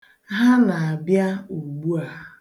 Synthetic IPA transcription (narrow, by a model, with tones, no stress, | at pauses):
ɦa˦na˨a˨bja˦u˨ɡ͡bu˦a˨˦